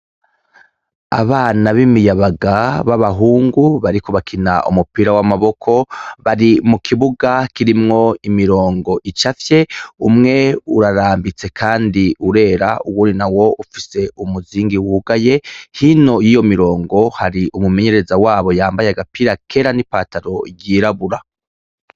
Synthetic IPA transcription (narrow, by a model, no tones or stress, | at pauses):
a̰βaːnaβimijaβaɡaβaβaɦuːŋɡuβaɾiko̞βakʰinaʔṵmupiːɾawamaβo̞kʰo̞βaɾimukʰiβuɡakiɾimŋo̞imiɾoːŋɡo̞ʔit͡ʃafje̞umŋe̞uɾaɾaːmbit͡se̞kʰaːndiuɾe̞ːɾaʔuwuːndinawo̞ʔufi̥se̞umuziːŋɡiwuɡaje̞hino̞jijo̞miɾo̞ːŋɡo̞haɾiʔumume̞ɲe̞ɾe̞zawaːβo̞jaːmbajeaɡapiːɾakʰe̞ːɾanipaːtaɾo̞ɟiːɾaβuɾa